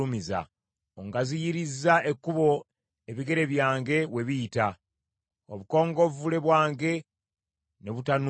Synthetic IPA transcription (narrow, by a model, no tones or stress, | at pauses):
umiza̰ | oŋɡazijiɾizae̞kːuβo̞ | eβiɡe̞ɾe̞βjaːŋɡe̞we̞βijita | oβuko̞ːŋɡo̞vule̞βwaːŋɡe̞ | ne̞βutan